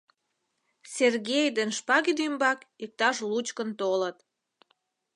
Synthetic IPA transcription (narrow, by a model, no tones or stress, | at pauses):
serɣejd̪enʃpɑɣid̪ymbɑkik̚t̪ɑʃlut͡ɕkənt̪olət̪